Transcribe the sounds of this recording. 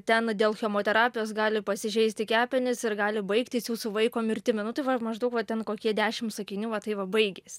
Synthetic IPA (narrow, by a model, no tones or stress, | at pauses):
t̪ʲɛnd̪ʲeːlˠxʲɛmoːt̪ʲɛɾɑːpʲɪjoːs̬ɡɑːlʲɪpɐsʲɪʒʲɛɪsʲt̪ʲɪkʲæːpʲɪnʲɪsɪrɡɑːlʲɪbɐɪkt̪ʲɪsjuːsʊʋɐɪkoːmʲɪrʲt̪ʲɪmʲɪnʊt̪ɐɪʋɐmɐʒd̪ɐʊkʋɐt̪ʲɛnkoːkʲiɛd̪ʲæːʃʲɪmsɐkʲɪnʲuːʋɐt̪ɐɪʋɐbɐɪɡʲeːsʲ